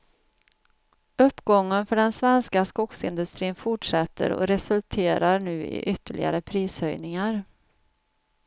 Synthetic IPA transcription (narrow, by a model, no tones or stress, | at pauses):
ɵpːɡɔŋːənfœɖɛnsvɛnskaskʊksɪnd̪ɵst̪ɾiːnfʊʈʂɛt̪ːə̰ɾɔ̰ɾɛsɵlt̪ʰeːɾaɾɳʉ̟ːɪ̰ʔʏt̪ːəɭʔɪɡa̰ɾəpʰɾiːshœjnɪŋaɾ